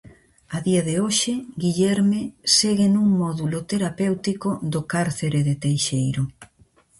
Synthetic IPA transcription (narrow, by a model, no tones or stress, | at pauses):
aðiaðeoʃɪɡiʎɛɾmeseɣenuŋmɔðulot̪eɾapewt̪ikoðokaɾθeɾeðɪt̪ejʃejɾʊ